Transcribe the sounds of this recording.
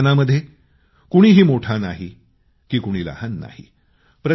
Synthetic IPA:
naməd̪ʱːje | kuɽ̃iːɦiːmoʈʰanaɦi | kiːkuɽ̃iːla̰hanːa̰hḭ | pɾə

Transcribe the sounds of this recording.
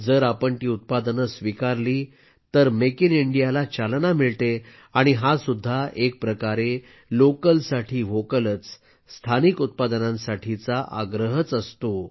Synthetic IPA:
d͡zəɾapəɳʈ̪iːut̪̚pad̪ənəsʋikaɾliː | t̪əɾmekiniɳɖijalat͡ɕalnamiɭt̪e | aɽ̃iɦasud̪ʱːaʔek̚pɾəkaɾe | lokəlsaʈʰiːʋokələt͡s | st̪ʰanikut̪̚pad̪ənãnsaʈʰit͡saʔa̰ɡɾəɦət͡səst̪o

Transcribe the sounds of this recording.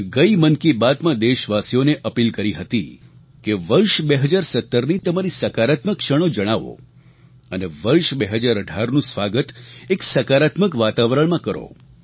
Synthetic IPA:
ɡəimənkibad̪mãd̪eʃʋasijoneʔəpilkəɾiɦət̪i | keʋəɾʃbeɦəd͡ʒaɾsət̪ːəɾnit̪əmaɾisəkaɾat̪məkːʃəɽ̃õd͡ʒəɽ̃aʋo̰ | əneʋəɾʃbeɦəd͡ʒaɾəɖʱaɾnũsʋaɡət̪eksəkaɾat̪məkʋat̪aʋɾəɳ̃mãkəɾo̰

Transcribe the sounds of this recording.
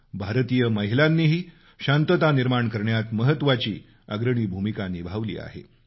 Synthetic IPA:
bʱaɾt̪ijəməɦilanːiːɦiː | ɕant̪ət̪aniɾmaɳkəɾɳjat̪məɦət̪ːʋat͡ɕiː | əɡɾəɽ̃iːbʱumikanibʱaʋlḭːa̰ɦḛ

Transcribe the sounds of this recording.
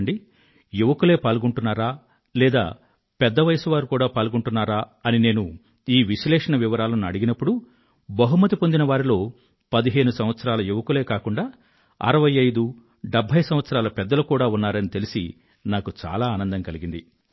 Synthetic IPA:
ɳɖi | juʋɐkule̞ːpaːlɡuɳʈunːaːɾaː | lɛːd̪a̰ː | pɛd̪ːɐʋɐjɐsuʋaːɾukuːɽaːpaːlɡuɳʈunːaːɾaːɐnine̞ːnu | iːʋiʃlɛːʂɐnɐʋiʋɐɾaːlɐnuɐ̰ɽiɡinɐpːuɽu | bɐɦumɐt̪̬ipo̞nd̪inɐʋaːɾilo̞ː | pɐd̪iɦe̞ːnusɐmʋɐt̪sɐɾaːlɐjuʋɐkule̞ːkaːkuɳɖaː | ɐ̰ɾɐʋɐjɐjd̪u | ɖebʱːɐjsɐ̃mʋɐt̪sɐɾaːlɐpɛd̪ːɐlukuːɽaːunːaːɾɐnit̪e̞lisḭ | naːkut͡ʃa̰ːlaːnɐnd̪ɐŋkɐliɡind̪i

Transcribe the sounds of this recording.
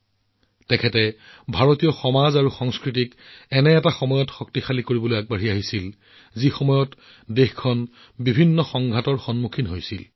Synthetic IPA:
tɛkʰɛtɛbʱaɹotijɔxɔmazaɹuxɔŋskɹitik | ɛnɛɛtaxɔmɔjɔtxɔk̚tixalikoɹibɔlojaɡ̚baɹiaɦisil | zixɔmɔjɔt | dexkʰɔn | bibʱinːɔxɔŋɡʱatɔɹxɔnmukʰinɦojsil

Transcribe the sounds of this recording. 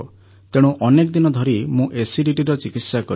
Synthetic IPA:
t̪eɽ̃ũʔɔnekɔd̪inɔd̪ʱɔɾimũʔesiɖiʈiɾɔt͡ʃikit̪sakɔɾ

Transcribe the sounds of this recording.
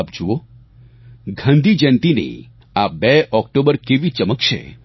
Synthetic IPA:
b̚d͡ʒuo | ɡʱãnd̪ʱid͡ʒɛ̃nt̪inḛ | abɛʔɔk̚ʈobəɾkeʋit͡ʃəməkt͡ʃʰḛ

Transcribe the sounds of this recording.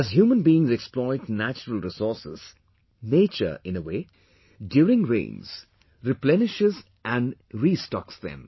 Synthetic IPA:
æzhjuːmə̃nbiːɪ̃ŋzɛksplɔɪtnæt͡ʃəɾəlɾɪsɔsɪ̰z̥ | neːt͡ʃə̰ɪ̃nəweː | djuːɾɪ̃ŋɾḛ̃ːnz̥ | ɾɪplɛnɪʃɪz | ʔæ̃nɾiːstɔksðɛ̰̃m

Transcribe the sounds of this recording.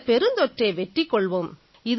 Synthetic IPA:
pɛɾɯnd̪ɔʈreːʋɛʈrikːɔɭʋom | ɪð

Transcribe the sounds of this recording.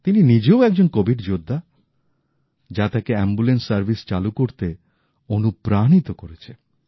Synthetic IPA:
t̪ininid͡ʑeoɛk̚d͡ʑonkobʱiɖd͡ʑod̪ʱːa | d͡ʑat̪akeɛmbulensːaɾbʱist͡ɕalukoɾt̪e | onupɾanit̪okoɾet͡ɕʰe

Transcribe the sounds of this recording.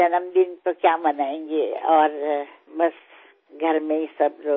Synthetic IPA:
d͡ʒɐnəmd̪ɪnt̪okjaːmɐnaːẽːŋɡeɔːɾ | bɐs | ɡʱɐɾmẽɪsɐbɾoː

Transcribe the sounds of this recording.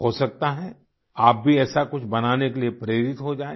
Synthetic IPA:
ɦosɐk̚t̪aɦɛ̃ | aːp̚bʱiɛːsakʊt͡ʃʰbɐnaːnekeliepɾeːɾɪt̪ɦod͡ʒaːe

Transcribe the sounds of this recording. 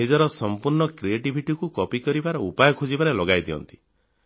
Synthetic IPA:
ed͡ʒɔɾɔsɔmpuɾɳɔkɾieʈibʱiʈikukɔpikɔɾibaɾɔupajɔkʰud͡ʒibaɾelɔɡajd̪iɔ̰nt̪i̥

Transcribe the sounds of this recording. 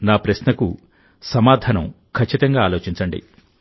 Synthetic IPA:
naːpɾɐɕnɐkṵ | sɐmaːd̪ʱɐːnɐm | kʰɐt͡ʃːit̪ɐŋɡaːlo̞ːt͡ʃiɲt͡ʃɐɳɖḭ

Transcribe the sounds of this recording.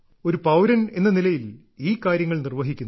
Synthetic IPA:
o̞ɾupɐwɾɐne̞nːɐnilɐjil | iːkːaːɾjɐŋːɐɭnirʋɐɦikʲːunː

